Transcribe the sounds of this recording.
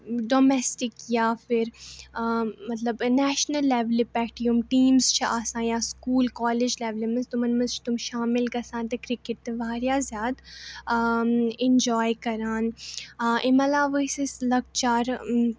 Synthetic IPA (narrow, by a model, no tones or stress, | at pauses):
ɖoːmɛsʈɪkjaːfɪɾ | mɐt̪lɐbnɛːʃnəlːeːʋlipɛːʈijumʈiːmzt͡ʃʰiʔaːsãːjaːskuːlkɔːled͡ʒleːʋlimɐnst̪ʊmɐnmɐ̃zt͡ʃʰi̥t̪ʊmʃaːmɪlkɐsãːnt̪ekɾɪkɪʈ̚t̪eʋaːɾjaːzjaːd̪ | ɪ̃nd͡ʒɔːjkɐɾaːn | ʔɪmɐlaːʋəisislɐɡt͡ʃaːɾ